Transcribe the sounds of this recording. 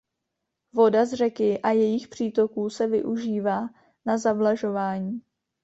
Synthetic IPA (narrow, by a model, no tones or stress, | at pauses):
vo̞dazr̝ɛkɪʔajɛjɪxpr̝̥iːt̪o̞kuːsɛvɪ̰ʔuʒiːvaː | nazablaʒo̞vaːɲiː